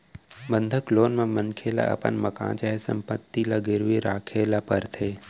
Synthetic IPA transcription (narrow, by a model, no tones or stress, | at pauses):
bənd̪ʱəkloːnmãmənkʰela̰ʔɐ̰pə̰nməkã̰ːt͡ʃaːɦesə̰mpət̪ːilaɡɪɾʋiɾaːkʰeːlapəɾt̪ʰeː